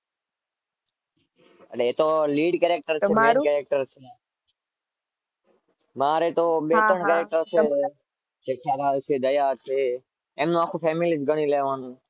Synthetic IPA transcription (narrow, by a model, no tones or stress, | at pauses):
əleet̪oliːɖkeɾek̚ʈəɾt͡ʃʰeekɛɾek̚ʈəɾt͡ʃʰe | maːɾet̪oɓet̪ɾəɳkɛɾek̚ʈəɾt͡ʃʰe | t͡ʃekʰaɾalt͡ʃʰeːd̪əjat͡ʃʰeː | mnũaːkʰũpʰɛːmilɪsd͡ʒɡʱəɳ̃ileʋaːnũ